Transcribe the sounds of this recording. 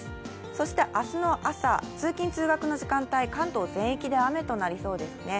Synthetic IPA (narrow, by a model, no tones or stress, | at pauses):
so̞ɕi̥t̪e̞ʔasɨno̞ʔasa̰t͡sɨːkʲĩnt͡sɨːɡakɯ̟no̞ʑikãnt̪aikãnt̪o̞ːzẽ̞ɰ̃ekʲid̪e̞ame̞t̪o̞naɾʲiso̞ːd̪e̞sɨne̞